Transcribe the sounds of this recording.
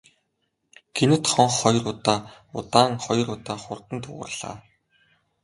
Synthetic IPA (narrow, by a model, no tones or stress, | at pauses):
ɡʰenɘ̆t̪χɔɴχːɔj̆rʊt̪aː | ʊ̰t̪aːŋχɔj̆rʊt̪aːχʊrt̪ə̆nt̪ʊ̰ʁə̰̆rɮ̥a̰ː